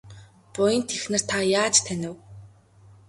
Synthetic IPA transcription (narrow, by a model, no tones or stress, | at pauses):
pʊjə̆nt̪ʰexnɘ̆r̥t̪ʰajaːt͡ɕt̪ʰænʲɪ̆w